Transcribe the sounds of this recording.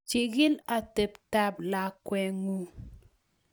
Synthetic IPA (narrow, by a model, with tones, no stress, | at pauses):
t͡ʃi˨ɡɪ˦la˨te˨pta˦bla˨kwɛ˨ŋu˦